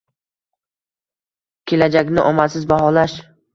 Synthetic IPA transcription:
kʲʰe̞lad͡ʒakʲnɪʔɒmasɪzbaɦɒlaʃ

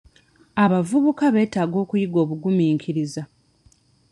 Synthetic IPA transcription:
aβavuβukaβe̞ːtaːɡo̞ːkujiɡo̞ːβuɡumiːŋkʰiɾiza

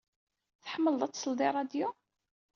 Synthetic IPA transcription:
θħəmːəld̪ˤæt͡sːsəld̪ˤiɾˤɑd̪ju

